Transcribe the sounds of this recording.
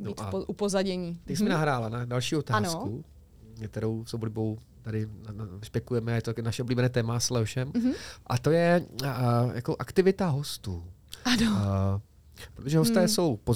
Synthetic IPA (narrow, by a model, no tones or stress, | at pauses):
noiʔa̰ʔupozaɟɛɲiːt̪ɛcsɛmɪnaɦɾaːlanadalʃiːot̪aaːnosku | kt̪ɛɾo̞wsowlɪbo̞w | t̪adɪnnspjɛkujɛmɛajɛt̪onaʃɛʔo̞bliːbɛnɛːt̪ɛːmaslɛɦoʃɛmʔat̪o̞jɛ | jakoʔakt̪ɪvɪt̪aɦo̞st̪uː | ano | pɾot̪oʒɛɦost̪ɛːso̞wpo